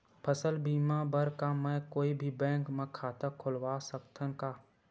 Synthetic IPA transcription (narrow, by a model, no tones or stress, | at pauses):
pʰəsəlbiːmaːbəɾkamɛ̃koːibʱibɛ̃ːŋkmə̃kʰaːt̪əkʰʊlʋaːsəkt̪ʰənkaː